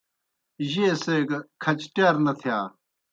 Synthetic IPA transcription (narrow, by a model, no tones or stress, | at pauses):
ʑeːseːɡɐkʰɐt͡ɕʈaːɾnɐt̪ʰjaː